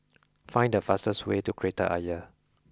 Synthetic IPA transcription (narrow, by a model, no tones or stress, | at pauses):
fãɪ̃ndəfastəswetukʰɹetə̰ʔa̰jə